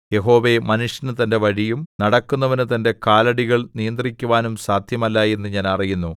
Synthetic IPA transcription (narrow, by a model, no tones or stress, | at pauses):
je̞ɦo̞ːʋe̞mɐnuʂjɐnɨt̪ɐnde̞ʋɐɻijumnɐɽɐkːunːɐʋinɨt̪ɐnde̞kaːlɐɽiɣɐɭnijɐnd̪rikʲːuʋaːnumsaːd̪ʱjɐmɐlːae̞nːɨɲaːnɐrijunːu